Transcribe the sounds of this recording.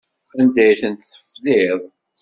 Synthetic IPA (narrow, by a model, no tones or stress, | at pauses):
ənd̪æjθənt̪θə̥fðiðˤ